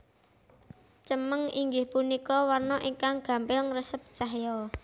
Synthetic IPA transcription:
t͡ʃəməŋiŋɡɪhpunikɔwarnɔʔiŋkaŋɡ̥ä̤mbɪlŋrəsəp̚t͡ʃaɦjɔ

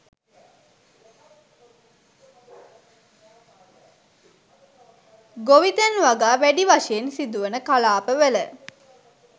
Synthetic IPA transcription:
ɡoʋit̪ənʋaɡaːʋæɖiʋaʃəjensid̪uʋənəkalaːpəʋelə

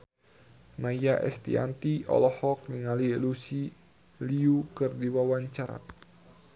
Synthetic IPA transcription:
najjaʔɛ̰st̪ḭa̰nt̪iɔ̰lɔhɔk̚niŋalielusi | liukɨrdiwawaɲt͡ʃaɾa̰

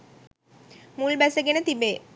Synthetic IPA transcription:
mulbɛsɐɡenət̪ibeː

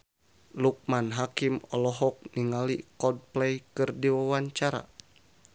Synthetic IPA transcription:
luk̚manɦakimɔlɔɦɔk̚niŋalikɔd̚plɛjkɨrdiwawaɲt͡ʃaɾa̰

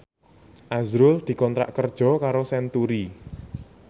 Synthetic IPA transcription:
ʔazɾʊld̪̥i̤kɔnt̪ɾa̰ʔkərd̥ʒ̥ɔ̤kaɾosɛnt̪uɾi

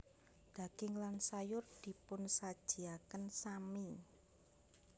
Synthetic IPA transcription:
d̪̥a̤ɡ̥ɪŋlansajʊrd̪̥i̤pʊnsad̥ʒ̥i̤akənsami

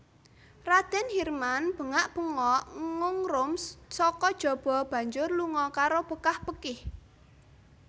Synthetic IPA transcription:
rad̪̥ɛ̤nhirmanb̥ə̤ŋaʔb̥əŋɔʔŋŋʊŋrʊmssɔkɔd̥ʒ̥ɔ̤b̥ɔ̤b̥ä̤ɲd͡ʒʊrluŋɔkaɾob̥əkahbəkɪh

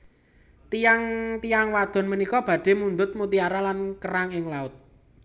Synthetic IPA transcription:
t̪ijaŋt̪ijaŋwad̪̥ɔ̤nmənikɔb̥ä̤ɖ̪̥e̤mund̪ʊt̪̚mut̪iaɾalankəɾaŋɪŋlaʊt̪̚

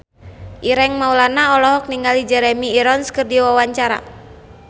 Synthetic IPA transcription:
ʔiɾɛŋmaulanaɔlɔɦɔk̚niŋɡalid͡ʒɛɾɛmiːɾɔnskɨrdiwawaɲt͡ʃaɾa̰

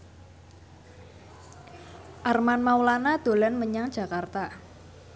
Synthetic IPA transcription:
ʔarmanmawlanad̪̥o̤lɛnməɲaŋd̥ʒ̥ä̤kart̪a

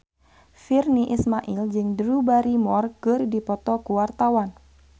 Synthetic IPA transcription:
firniʔismaʔild͡ʒɨŋdɾubaɾimɔrkɨrdipɔt̪ɔkuwart̪awan

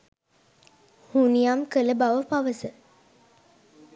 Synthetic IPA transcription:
hunijamkələbaʋəpaʋəsə

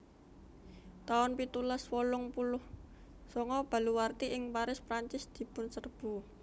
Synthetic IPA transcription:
t̪aʊnpit̪ulaswɔlʊŋpulʊh | sɔŋɔb̥a̤luwart̪iʔɪŋpaɾɪspɾaɲt͡ʃɪsd̪̥i̤pʊnsərb̥ṳ

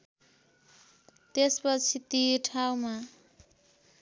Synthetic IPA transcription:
t̪espʌt͡sʰit̪iʈʰawma

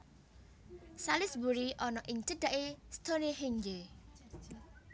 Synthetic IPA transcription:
salɪsbuɾiʔɔnɔʔɪŋt͡ʃəd̪̥aʔest̪ʰoneɦeŋd͡ʒe

